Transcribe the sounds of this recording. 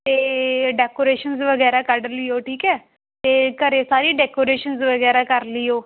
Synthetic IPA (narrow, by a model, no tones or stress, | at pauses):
t̪eɖekoɾeɕənsʋəɡəjɾakaɽəliːɦoʈʰiːkɛ | t̪ekəɾesaɾiːɖekoɾeɕənsʋəɡəjɾakaɾliːɦo